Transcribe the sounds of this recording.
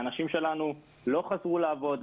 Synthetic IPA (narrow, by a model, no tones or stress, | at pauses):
anaʃimʃe̞lanu | lo̞χazʁulaːvo̞d̪